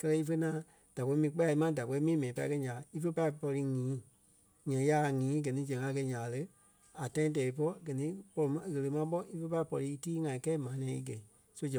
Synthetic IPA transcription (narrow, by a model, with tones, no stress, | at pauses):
kɜ˧lɜ˧i˧fə˧nãː˨˦ | d̥a˨kɛ˧i˦mĩː˧˦k͡pɛ˦a˧i˧˦mã˦da˨kɛ˧˨i˦mĩː˦mɛ̃˨ĩ˨˧pa˧i˧kɛ˧˦ɲãː˨i˦fə˦pa˧i˨pɔ˧ɾi˧ŋĩː˨˦ | ɲɛ̃˨˦ja˦˨ŋĩː˨˦ɡɜ˨nĩ˧˦d͡ʒɛ̃˨ŋa˧˦kɛ˧˨˦ɲãː˨˦lə˧˦ | a˨tã˧˦ĩ˧˦t̬ɛ˨i˧p̬ɔ˦ɡɜ˨nĩ˦k͡pɔ˧lɔ˧mã˨˧ɣə˧lə˧mã˧˦ɓɔ˦i˦fə˧˦pa˧i˨pɔ˧ɾi˧˦i˧˦tiː˦ŋã˧˨ĩ˨˦kɛː˦mãː˨˦nɛ̃˨˦ḭ˧ɡɛ˨i˨ | so˦d͡ʒɛ̃˨